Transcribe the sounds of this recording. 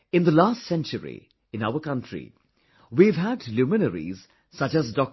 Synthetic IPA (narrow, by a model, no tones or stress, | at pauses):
ɪ̃nd̪əlaːstsɛ̃nt͡ʃəɾḭ | ɪ̃naʊəkʌ̃ntʰɾḭ | wiʋɦæɖluːmɪnəɾḭz | sʌt͡ʃæzdɔk̚